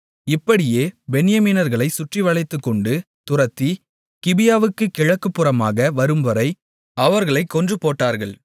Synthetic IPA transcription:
ɪpːɐɽɪjeːbɛnɪjɐmiːnɐɾɣɐɭɐɪsʊʈriʋɐɭɐɪt̪ːɯkːɔɳɖɯ | t̪ʊrɐt̪ːi | kɪbɪjaːʋɯkːɯkɪɻɐkːɯpːɯrɐmaːɣɐʋɐɾɯmʋɐɾɐɪ | ɐʋɐɾɣɐɭɐɪkːɔndrɯpoːʈːaːɾɣɐɭ

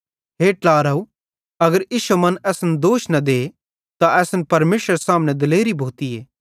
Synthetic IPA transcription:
ɦeːʈlaːɾɐu | ɐɡəɾjiːʃumɐnɛːsnd̪oːʃnɐd̪eː | t̪aʔɛːsənpɐɾmeːʃəɾsaːmnɛ̃d̪ɪleːɾibʱoːt̪ieː

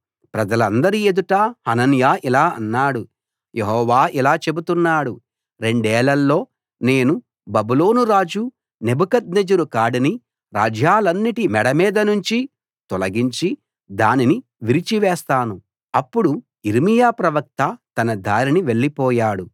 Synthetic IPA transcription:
pɾɐd͡ʒɐlɐnd̪ɐɾie̞d̪uʈaːhɐnɐnjaːʔilaːɐ̰nːaːɽu | jeɦɔːʋaːʔilaːt͡ʃe̞but̪unːaːɽu | ɾe̞ɳɖɛːɭɐlːo̞ː | ne̞ːnu | bɐbuloːnuɾaːd͡ʒu | ne̞bukɐt̪̚ned͡ʒɐɾukaːɽini | ɾa̰ːd͡ʒjaːlɐnːiʈimɛɽɐmiːd̪ɐnuɲt͡ʃi | t̪ɔlɐɡiɲt͡ʃi | d̪aːniniʋiɾit͡ʃiʋɛːst̪aːnu | ɐpːuɽu | iɾimijaːpɾɐʋɐk̚t̪ɐt̪ɐnɐd̪ʱaːɾiniʋe̞ɭːipɔːjaːɽu

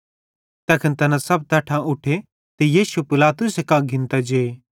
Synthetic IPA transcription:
t̪ɐkʰənt̪ɐnãsɐb̚t̪ɐʈʰãʔʊʈʰe | t̪ejiːsupɪlaːt̪ʊsekãɡʱɪ̃nt̪ad͡ʒee

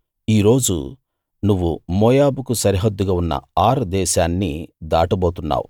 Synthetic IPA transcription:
iːɾo̞ːd͡ʒṵ | nuʋːumɔːjaːbukusɐɾiɦɐd̪ːuɡaːunːɐ̰aːɾd̪ɛːʃaːnːḭd̪aːʈɐboːt̪unːa̰ːwu

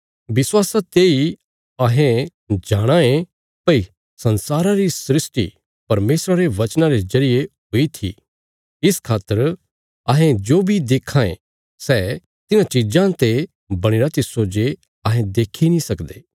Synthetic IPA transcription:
ʋɪswaːsat̪eːi | ɐɦẽ | d͡ʒaːɽ̃ãẽ | pɐi | sɐ̃nsaːɾãɾisɾɪsʈḭ | pɐɾmeːsɾaɾeʋɐt͡ʃnãɾezɐɾɪjeɦoːit̪ʰḭ | ɪskʰaːt̪ːəɾ | ɐɦẽd͡ʒoːbʱid̪eːkʰːãḛ̃ | sɛː | t̪ɪnãt͡ʃid͡ʒãt̪e | bɐɽ̃eːɾat̪ɪsoːd͡ʒe | ɐɦẽd̪eːkʰinĩsɐkd̪eː

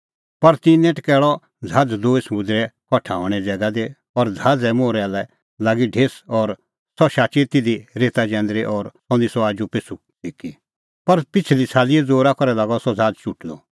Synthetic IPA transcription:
pɐɾt̪ĩnɛ̃ʈkɛːɭɔ | d͡zʱaːd͡zd̪oːismud̪ɾɛkʰɔʈʰa̰ːɔ̃ɽ̃ɛd͡zɛːɡad̪e | ɔːɾd͡zʱaːd͡zɛmoːɾɛaːlɛ | laːɡiɖʱeːsɔːɾ | sɔʃaːt͡ʃit̪ɪd̪iɾeːt̪ad͡ʒɛ̃ːnd̪ɾeʔɔːɾsɔ̃nisɔaːd͡ʒupeːsu | iːki | pɐɾpɪt͡sʰlit͡sʰaːliɛd͡zoːɾakɔɾɛlaːɡɔsɔd͡zʱaːd͡zt͡ʃuʈlɔ̰

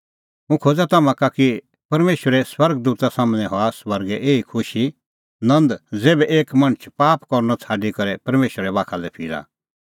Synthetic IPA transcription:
ũkʰoːd͡zat̪ɐmãkaki | pɐɾmeːʃəɾɛswɐɾɡ̚d̪uːt̪asaːmnɛ̃ɦɔasʋɐɾɡɛʔeːikʰʊʃi | nɐ̃nd̪d͡zeːbɛʔeːkmɐ̃ɳ̃ət͡ʃʰpaːpkɔɾnɔt͡sʰaːɖikɐɾɛpɐɾmeːʃəɾɛbaːkʰalɛpʰiːɾa̰

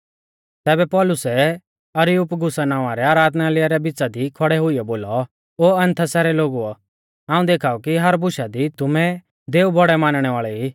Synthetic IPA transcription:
t̪ɛːbɛpɔːlʊsɛ | ɐɾɪjʊpɡʊsanãːʋ̃ãɾɛaːɾaːd̪nalɪjaɾɛbɪt͡sad̪ikʰɔɽɛɦʊijɔboːlɔ | oːɐ̃nt̪ʰasɛːɾɛloːɡuɔ | ãːũd̪eːkʰaːɔkiɦɐɾbʊʃad̪it̪ʊmɛ | d̪eːubʱɔɽɛmaːnɽ̃ɛʋaːɭɛi

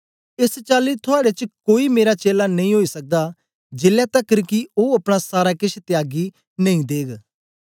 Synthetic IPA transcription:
ɪst͡ʃaːlit̪ʰʊaːɽet͡ʃkoːimeːɾat͡ʃeːlanɐĩɦoːisək̚d̪a | d͡ʒeːljaːt̪ɐkːəɾkioːɐpɽ̃asaːɾakɪt͡ʃʰt̪ɪaːɡi | nə̃ĩːd̪eːɡ

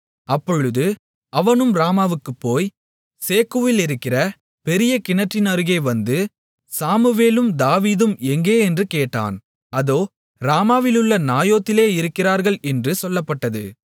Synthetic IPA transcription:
ɐpːɔɻɯðɯ | ɐʋɐnɯmɾaːmaːʋɯkːɯpːoːj | seːkuʋɪlɪɾɯkːɪrɐ | pɛɾɪjɐkɪnɐʈrɪnɐɾɯɣeɪʋɐnd̪ɯ | saːmɯʋeːlɯmd̪aːʋiːðɯmɛŋɡeːɛndrɯkeːʈːa̰ːn | ɐðoː | ɾaːmaːʋɪlɯɭːɐnaːjoːt̪ːɪleːɪɾɯkːɪraːɾɣɐɭɛndrɯsɔlːɐpːɐʈːɐðɯ̰

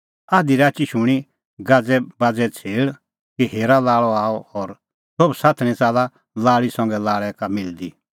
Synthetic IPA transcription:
aːd̪iɾaːt͡ʃiʃʊɽ̃i | ɡad͡zɛbad͡zɛt͡sʰeːɭ | kiɦeːɾalaːɭɔaːɔɔɾ | sobsaːt̪ʰñĩt͡saːla | laːɭisɔ̃ŋɡɛlaːɭɛkamɪld̪i

